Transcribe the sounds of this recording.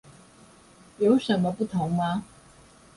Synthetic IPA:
jo˨˥ʊʂə˨˥nmə˧pu˥˩t̪ʰʊ˨˧˥ŋmɐ˧

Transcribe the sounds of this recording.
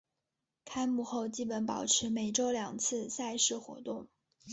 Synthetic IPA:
kʰa˥ɪmu˥˧xo˥˧ʊt͡ɕi˥˩pə˧˥npɑ˨˩ʊʈ͡ʂʰɻ̩˧˥me˨˩ɪʈ͡ʂo˥ʊljɑ˨˩ŋt͡sʰɹ̩˥˧sa˥˧ɪʂɻ̩˥˩xwɔ̰˧˥t̪ʊ˥˩ŋ

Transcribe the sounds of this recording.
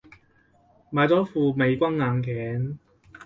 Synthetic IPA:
maː˨˧jt͡sɔː˨˥fuː˧me˨˧jkʷɐ˥ŋːaː˨˧nkʰɛː˨˥n

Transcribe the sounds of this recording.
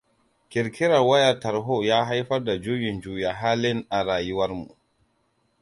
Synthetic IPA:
kʲɪ˨ɾkʰʲɪ˦ɾɐ˨wɐ˦jɐ˨rtɐ˨ɾɦo˦˨jaː˦ɦa˦jɸɐ˦rda˨d͡ʒuː˦jɪ˨nd͡ʒuː˦ja˨ɦaː˦lɪ˦nʔa˨ɾaː˨jʊ˦wɐ˦rmṵ˨ʔ

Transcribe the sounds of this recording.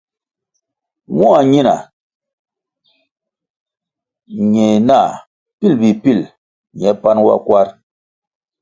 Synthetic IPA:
wɔ̃˦a˨ɲi˦na̰˨ | ɲɛ˨jna˦˨ | pi˦˨lbi˨pi˦˨l | ɲɛ˨˦pa˦nwa̰˦kwa˦ɾ

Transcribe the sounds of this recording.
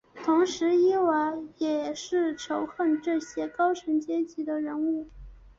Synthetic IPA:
t̪ʰʊ˧˥ŋʂɻ̩˧˥i˥wa˧˥jɛ˨˩ʂɻ̩˥˩ʈ͡ʂʰo˧˥ʊxə˥˩nʈ͡ʂɤ˥˩ɕjɛ˥kɑ˥ʊʈ͡ʂʰə˧˥ŋt͡ɕjɛ˥t͡ɕi˧˥d̪ə˨ɻə˧˥nu˥˩

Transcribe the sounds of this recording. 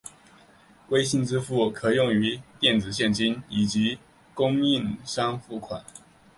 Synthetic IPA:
kwe˥ɪɕi˥˧nt͡sɹ̩˦fu˥˩kʰɤ˨˩jʊ˥˨˩ŋy˧˥t̪jɛ˥˩nt͡sɹ̩˨˩ɕ̬jɛ˥˨nt͡ɕi˥ni˨˩t͡ɕi˨˥˦ | kʊ˥ŋi˥˧ŋʂɑ˥ŋfu˥˩kʰwa̰˨˩˦n

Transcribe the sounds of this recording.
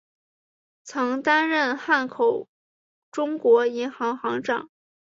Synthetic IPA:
t͡sʰɤ˧˥ŋt̪a˥nɻə˥˧nxa˥˩nkʰo˨˩ʊ | ʈ͡ʂʊ˥ŋkwɔ˧˥i˧˥nxɑ˧˥ŋxɑ˧˥ŋʈ͡ʂɑ̰˥˩˦ŋ

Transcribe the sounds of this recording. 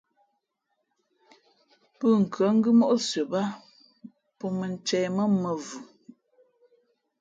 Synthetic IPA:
pə˦˨ŋ̩˨kʰɰə˨˦ŋ̩˦ɡɨ˦mɔ˦ʔo˦sɥə˨ba˦ | pɔ˦mə˨n˦t͡ʃɛː˨mə˦mə˨vu˨

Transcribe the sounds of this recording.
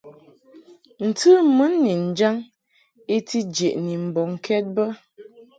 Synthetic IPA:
n̩˨tɨ˦mə˦nːi˨n̩˨d͡ʒa˦ŋ | e˦ti˦d͡ʒe˨ʔni˨m̩˨bɔ˨ŋ̩˨kʰɛ˦t̚bə˦

